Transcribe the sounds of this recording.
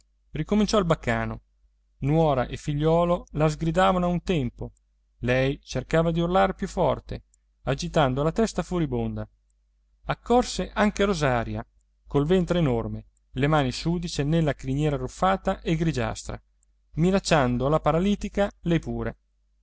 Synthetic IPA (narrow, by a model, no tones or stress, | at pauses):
rikomint͡ʃɔilbakːaːno̰ | nwɔːɾa̰ʔefiʎːɔːlolazɡɾid̪aːvanoaunt̪ɛmpo | lɛjt͡ʃerkaːvad̪iurlaɾepjufːɔrt̪e | ad͡ʒit̪and̪olat̪ɛst̪afoɾibond̪a | akːɔrseʔaŋkeɾozaːɾja̰ | kolvɛnt̪ɾeːnorme | lemaːnisuːd̪it͡ʃenelːakɾiɲjɛːɾarːufːaːt̪aʔeɡɾid͡ʒa̰st̪ɾa̰ | minat͡ʃːand̪oalapaɾaliːt̪ikalɛjpuːɾe